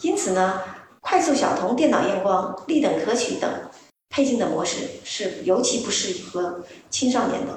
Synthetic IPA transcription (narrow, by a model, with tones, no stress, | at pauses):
i˥nt͡sʰɹ̩˨˩nə˦kʰwa˥˧ɪsu˥˩ɕjɑ˨˩ʊt̪ʰʊ˧˥ŋt̪jɛ˥˩nɑ˨˩ʊjɛ˥nkwɑ˥ŋli˥˩t̪ɤ˨˩ŋkʰɤ˥t͡ɕʰy˧˥t̪ɤ̰˨˩˦ŋ | pʰe˥˧ɪt͡ɕi˥˩ŋd̪ə˩mwɔ˧˥ʂɻ̩˥˧ʂɻ̩˥˩jo˧˥ʊt͡ɕʰi˧˥pu˧˥ʂɻ̩˥˩i˨˩xə˧˥t͡ɕʰi˥nʂ̬ɑ˥˩ʊnjɛ̰˧˥nd̪ə̰˧